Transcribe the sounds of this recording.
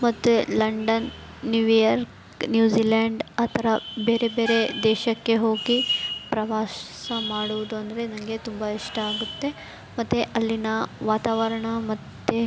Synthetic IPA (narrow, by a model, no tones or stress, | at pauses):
mɐt̪ːelɐɳɖɐnː | juʋijɐɾk | njuːd͡ʒiːlaːɳɖaːt̪ʰɐɾɐbeːɾe̞beːɾe̞d̪ɛːʃɐkːe̞ɦo̞ːɡipɾɐʋaːssɐmaːɽuʋud̪uɐnd̪ɐɾe̞nɐŋɡe̞t̪umbɐiʂʈɐaːɡut̪ːe̞ | mɐt̪ːeʔɐlːinɐʋaːt̪aːʋɐɾɐɳɐmɐt̪ːe